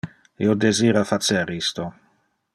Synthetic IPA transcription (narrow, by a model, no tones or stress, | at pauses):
ḭod̪eziːɾafat̪seɾist̪o